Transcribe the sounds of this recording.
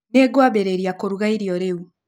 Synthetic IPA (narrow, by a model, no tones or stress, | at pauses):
neːɡwaβeɾeɾjakoɾuɣaiɾjoɾeu